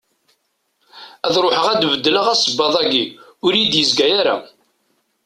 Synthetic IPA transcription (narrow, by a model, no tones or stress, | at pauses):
æðɾˤoħəʁæd̪vəd̪ːələʁæsəbːɑðˤæɡiʊɾjid̪jəzɡæjaɾa̰